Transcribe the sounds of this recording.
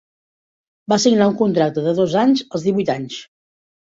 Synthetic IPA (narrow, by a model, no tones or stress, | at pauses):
basiɡnauŋkunt̪ɾak̚t̪əðəðozaɲzəlˠzðiβujt̪aɲs